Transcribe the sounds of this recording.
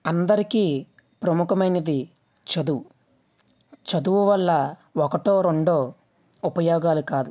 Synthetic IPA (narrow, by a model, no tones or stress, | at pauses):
ɐnd̪ɐɾikiː | pɾɐmukɐmɐjnɐd̪i | t͡ʃɐd̪uwu | t͡ʃɐd̪uwuʋɐlːɐɔkɐʈoːɾo̞ɳɖoː | upɐjɔːɡaːlukaːd̪u